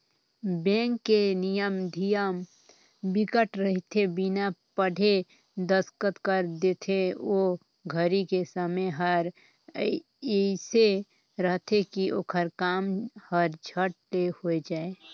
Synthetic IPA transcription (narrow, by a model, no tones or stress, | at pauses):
bɛ̃ːŋkːenijəmd̪ʱijəm | bɪkəʈɾəɦit̪ʰebinapəɽʱe | d̪əskət̪kəɾd̪eːt̪ʰeo | ɡʱəɾikesəmeɦəɾ | se | ɾəɦt̪ʰekiʔo̰ːkʰəɾkaːmhəɾd͡ʒʱəʈ̚lehoed͡ʒaːe